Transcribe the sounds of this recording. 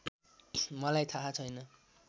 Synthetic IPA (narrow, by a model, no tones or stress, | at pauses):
mʌlajt̪ʰaɦat͡sʰʌjnʌ